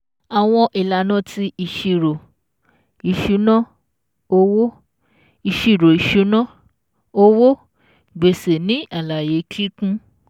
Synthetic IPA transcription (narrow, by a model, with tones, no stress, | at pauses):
a˨w̃ɔ̃˧ʔi˨la˨nã˦˨tʰi˧˦i˧ʃi˧ɾo˨ | i˧ʃu˨˦nã˦˨ | o˧˦wo˦ | i˧ʃi˧˨ɾo˨i˨ʃu˨˦nã˦˨ | o˦wo˦ | ɡ͡be˨se˨nĩ˨˦ʔa˦˨la˨je˨˦ki˦kũ˦